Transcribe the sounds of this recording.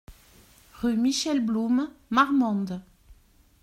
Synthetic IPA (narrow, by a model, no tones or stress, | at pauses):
ʁymiʃɛlblummaʁmɑ̃d̪